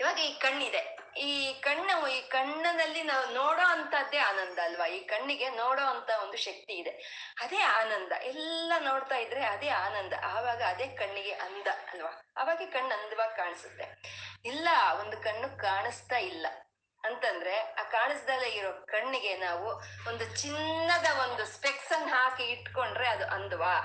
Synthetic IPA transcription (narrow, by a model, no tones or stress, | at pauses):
iːʋaːɡɐiːkɐɳːid̪e̞ | iːkɐɳːɐʋuiːkɐɳːɐnɐlːinaːʋunoːɽo̞ːɐnt̪ʰɐd̪ːe̞aːnɐnd̪ɐːlʋɐiːkɐɳːiɡe̞noːɽoːɐnt̪ʰɐo̞nd̪uʃɐk̚t̪iːd̪e̞ | ɐd̪e̞ːaːnɐnd̪ɐ̰ʔɛlːɐno̞ːɽt̪aːjid̪ɾeɐd̪e̞ːaːnɐnd̪ɐ̰ʔaːʋaːɡɐɐd̪e̞ːkɐɳːiɡeʔɐnd̪ɐɐlʋaːɐ̰ːʋaːɡekɐɳːɐnd̪ɐʋaːɡkaːɳisut̪ːe̞̰ilːɐond̪ukɐɳːukaːɳist̪ailːɐ | ɐnt̪ɐnd̪ɾe̞aːkaːɳisd̪ɐlːeiɾo̞ːkɐɳːiɡe̞naːʋuond̪ut͡ʃinːɐd̪ɐo̞nd̪uspeksɐnɦaːkiiʈko̞ɳɖɾe̞ɐd̪uʔɐnd̪ɐʋaː